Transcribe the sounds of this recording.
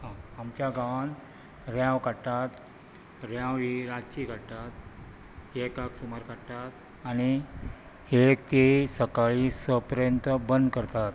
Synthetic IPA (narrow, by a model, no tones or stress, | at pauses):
ɦãamt͡ɕjaɡãʋan | ɾjãʋkaʈat̪ | ɾjãwʋiɾat͡ɕikaɽʈ̪at̪ | ɦekaksumaɾkaʈʈ̪at̪ | aɽ̃i | ekt̪eisəkaɭisəpəɾjənt̪əbənd̪kəɾt̪at̪